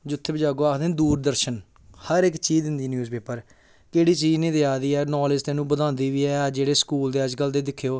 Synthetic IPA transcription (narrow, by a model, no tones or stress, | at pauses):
d͡ʒʊt̪ʰːeːbəd͡ʒaːɡoːaːkʰd̪ẽːnd̪uːɾd̪əɾʃən | həɾɪkt͡ʃiːd̪ɪnd̪iːnjuːzpeːpəɾ | keːɽiːt͡ʃiːd͡ʒnẽːt̪eːaːd̪iːɛːnɔːlɪd͡ʒt̪eːnũːbəd̪ãːnd̪iːʋiːɛːd͡ʒeːɽeːskuːld̪eːəd͡ʒkəld̪eːd̪ɪkʰːjoː